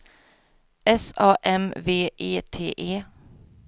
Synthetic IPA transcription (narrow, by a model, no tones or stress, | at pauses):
ɛsɑːʔɛmveːʔeːt̪ʰḛːʔeː